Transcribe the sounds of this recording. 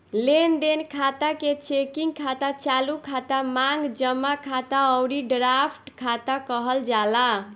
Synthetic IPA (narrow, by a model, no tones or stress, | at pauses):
lend̪enkʰat̪aket͡ʃekiŋɡkʰat̪at͡ʃalukʰat̪amaŋɡd͡ʒəmːakʰat̪aʌwɾiɖɾapʰʈkʰat̪akəɦəld͡ʒala